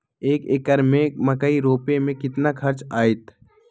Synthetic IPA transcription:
eːkekəɾmẽmɐkəiɾoːpemẽkɪt̪nakʰɐɾt͡ʃaːɪt̪

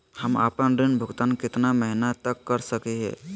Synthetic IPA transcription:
həma̰pənɾɪnbʱʊɡt̪ankɪt̪naməɦinat̪əkːəɾsəkeɦɛ̰̃ː

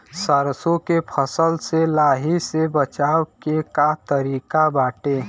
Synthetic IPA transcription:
səɾsõkepʰəsəlselaːɦisebət͡ʃaːwkekat̪əɾiːkabaːʈeː

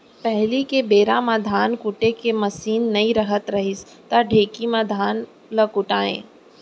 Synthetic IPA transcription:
pɛɦlikebeːɾãmãd̪ʱaːnkʊʈekemɐsiːnːɐĩɾɐɦət̪ɾɐɦɪs | t̪aɖʱeːkimãd̪ʱaːn | ləkʊʈaːḛ̃ː

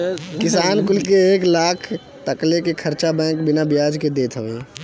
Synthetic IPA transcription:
kɪsaːnkʊlkeeːklaːkʰ | t̪əklekekʰəɾt͡ʃabɛ̃ːkbɪnabɪjaːd͡ʒked̪eːt̪ʰɦoːeː

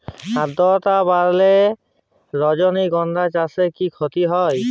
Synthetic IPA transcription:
ad̪ɔt̪abaɾle | ɾɔd͡ʒɔniɡɔnd̪at͡ʃasekikʰɔt̪iɦɔj

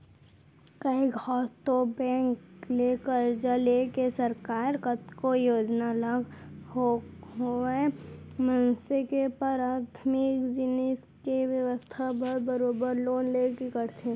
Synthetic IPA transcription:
kɐiɡʱɔːt̪obɛ̃ːŋkleːkəɾd͡ʒaleːkesəɾkaːɾkət̪kojoːd͡ʒnaləɡɦoɦoe | mənsekepəɾaːt̪ʰmɪkd͡ʒɪnɪskeʋjɐʋəst̪ʰapəɾbəɾoːbəɾloːnleːkekəɾt̪ʰe

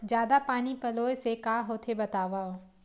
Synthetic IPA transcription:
d͡ʒjaːd̪apaːnipɐloːjsekaːɦoːt̪ʰebɐt̪aːʋaːo

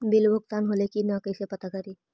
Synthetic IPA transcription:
bilʋəkt̪anɦolekiːnakəjsepət̪akaɾi

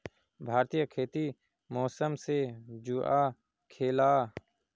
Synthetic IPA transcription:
bʱaːɾt̪ijəkʰeːt̪i | mɔːsəmsed͡ʒuaː | kʰeːlaː

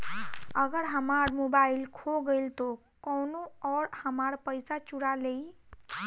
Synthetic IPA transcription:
əɡəɾɦəmaɾmobailkʰoɡəlt̪o | kɔwnoɔːɾhəmaɾpəɪsat͡ʃuɽalei

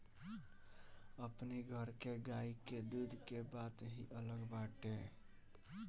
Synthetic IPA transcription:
əpniɡʱəɾkeɡaiked̪ud̪ʱkebat̪ɦḭʔələɡbaʈe

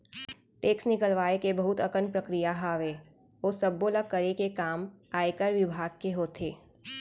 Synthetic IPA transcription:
ʈeːksnɪkəlʋaːekebɐɦʊt̪ɐkənpɾəkɾijaɦaʋeː | oːsɐbːoːlakːɐɾekekaːmaːekəɾʋɪbʱaːɡ̚keɦoːt̪ʰeː

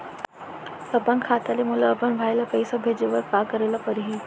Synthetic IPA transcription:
təpaŋkʰat̪alimulaːpənʋʱajlapəjsəbʱed͡ʑeʋəɾkakəɾelapəɾɦi

